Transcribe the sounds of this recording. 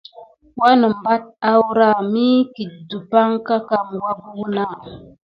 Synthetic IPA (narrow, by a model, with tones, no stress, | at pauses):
wa˦nə˨m˨ba˦t̚a˦wɾa˦˨mi˦ki˨t̚du˨pa˦ŋka˦ka˨mwa˦bu˦na˦˨